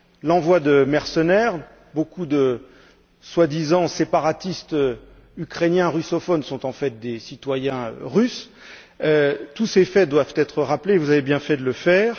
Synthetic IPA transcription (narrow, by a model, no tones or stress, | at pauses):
lɑ̃vwad̪əmɛʁsənɛʁ | bokud̪ə | swad̪izɑ̃sepaʁat̪ist̪ø | ykχenjɛ̃ʁysɔfɔnsɔ̃t̪ɑ̃fɛt̪̚d̪esit̪wajɛ̃ø̰ʁys | øt̪usefɛd̪wavt̪ɛt̪χəʁaplevuzavebjɛ̃fɛd̪ələfɛːʁ